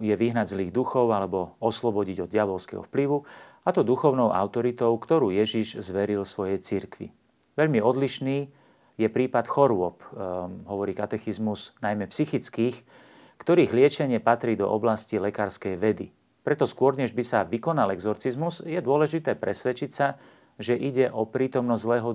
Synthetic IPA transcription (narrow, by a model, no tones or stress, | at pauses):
jɛʋiɦnaɟzliːɣd̪uxɔʊalɛbɔɔslɔbɔɟiɟɔd̪ɪaʋɔlskɛ̰ɦɔ̰fpliʋu | at̪ɔd̪uxɔʊnɔʊʔa̰ʊt̪ɔɾit̪ɔʊkt̪ɔɾuːjɛʒiʒzʋɛɾilsʋɔjɛjt͡siɾkʋḭ | ʋɛʎmiɔd̪liʃniː | jɛpɾiːpat̪xɔɾʊɔpɦɔʋɔɾiːkat̪ɛxizmuznajmɛpsixit͡skiːx | kt̪ɔɾiːɣlɪɛt͡ʃɛɲɪɛpat̪ɾiːd̪ɔ̰ʔɔblascilɛkaːɾskɛjʋɛd̪ḭ | pɾɛt̪ɔskʊɔɾɲɛʒbisaʋikɔnalɛɡzɔɾt͡sizmuzjɛd̪ʊɔlɛʒit̪ɛːpɾɛsʋɛt͡ʃicsa | ʒɛʔiɟɛʔɔpɾiːt̪ɔmnɔzzlɛːɦɔ